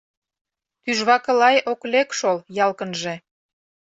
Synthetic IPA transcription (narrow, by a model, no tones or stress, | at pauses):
t̪yʒβɑkə̆lɑjoklekʃoljɑlkə̆nʒe